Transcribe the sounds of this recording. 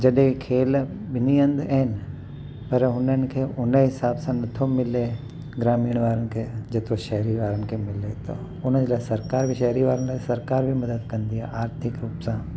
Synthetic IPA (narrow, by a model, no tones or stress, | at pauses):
d͡ʒɐɗɦẽkkʰeːl | bɪnijə̃nd̪ɐɦnɪ̆ | pɐɾɦʊnənɪ̆kʰeːʔʊnəɦɪsaːbsãnɐt̪ʰomɪle | ɡɾaːmiːɽ̃ʋaːɾən̆kʰeːd͡ʒɐt̪ʰoʃɐɦɾiʋaːɾənkʰemɪlet̪o̰ | ʊnəd͡ʒlasɐɾkaːɾbʱiʃɐɦɾiʋaːɾənlasɐɾkaːɾbʱimɐd̪əd̪kɐ̃nd̪iɦa̰ːʔaːɾt̪ʰɪkɾuːpsãː